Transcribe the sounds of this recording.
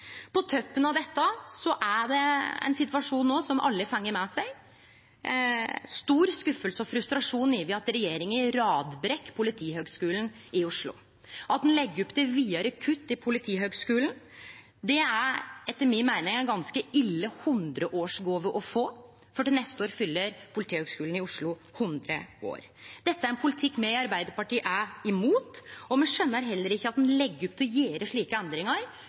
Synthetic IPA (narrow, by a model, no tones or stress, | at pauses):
pʰɔt̪ʰœpːənɑʋd̪ɛt̪ːəsɔʔæɖɛɛ̰nsɪt̪ʋɑʂuːnːoːsɔmʔɑ̰lːəfɑŋːəɾmɛsæɪ | st̪uːɾskʉfəlsəɔfɾʉst̪ɾɑʂuːnɪʋɪɑt̪ɾɛjeːɾɪŋəɾɑːd̪bɾɛkːpʰʊlɪt̪ʰiːhøːɡskʉːlən | ɪʊʂɭʊ̰ | ʔɑt̪̚d̪ɛnlɛɡːəɾɔpd̪ɛʋiːɑɾəkʰʉt̪ːɪpʰʊlɪt̪ʰiːɦøːɡskʉːln̩ | d̪ɛæɾɛt̪ːəɾmɪnmæɪnɪŋæɡɑnskəɪlːəhʉnd̪ɾəʔoːʂɡoːʋəʔɔfoː | fɔɖɛnɛst̪əoːɾfʏlːəɾpʰʊlɪt̪iːhøɡskʉːln̩ɪʊʂɭʊhʉnd̪ɾə̰o̰ːɾ | d̪ɛt̪ːəæɾɛnpʰʊlɪt̪ʰɪkːmɛɑɾbæɪd̪əɾpɑʈiːʔæɪmuːt̪ɔmɛʂœnːəɾɦɛlːəɾɪçːəɑt̪̚d̪ɛnlɛɡːɾɔp̚ːt̪ʰɛjeːɾəʂɭiːkəɛnd̪ɾɪŋəɾ